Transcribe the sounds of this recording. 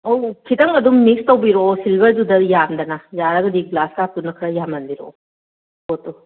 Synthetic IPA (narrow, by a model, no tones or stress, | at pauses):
okʰitɐŋɐdumːikstɐwbiɾosilbɐɾdudɐjamdɐnɐjaɾɐɡɐdiɡlaskatunːɐkʰɾɐjamɐnbiɾo̰ | botu